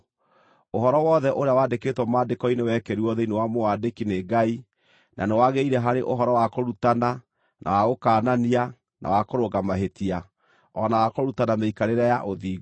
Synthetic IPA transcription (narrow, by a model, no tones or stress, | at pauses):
oɦɔɾɔwɔːðɛʔoɾeawaːdekeːtwɔmaːdekɔinewɛkɛɾiɔðɛinewamowadekineːɡai | nʔa̰newaɣeiɾɛɦaɾeʔoɦɔɾɔwakoɾutana | nʔa̰waɣokaːnania | nʔa̰wakoɾoɣamaɦetia | ɔnawakoɾutanameikaɾeɾajaʔoðiːɣ